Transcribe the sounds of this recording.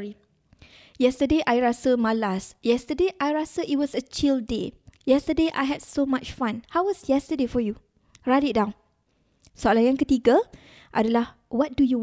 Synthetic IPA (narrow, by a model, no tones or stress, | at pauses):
ɹi | jɛstədeʔajɹasəmalasjɛstədeʔajɹasəʔit̚wɔsət͡ʃildejɛstədeʔa̰jɦɛdsomat͡ʃfãnhawwɔsjɛstədefɔju | ɹadidãw̃n | soalajãŋkət̪iɡə | ʔa̰dalah | wɔt̚duju